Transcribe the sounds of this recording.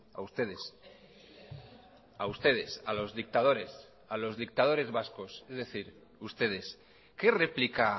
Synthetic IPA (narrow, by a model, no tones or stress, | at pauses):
a̰ust̪eðes | aust̪e̞ð̞e̞salo̞zðik̚t̪að̞o̞ɾe̞s | alo̞zðik̚t̪að̞o̞ɾe̞zβasko̞sezðe̞θiɾ | ust̪e̞ð̞e̞s | ke̞replika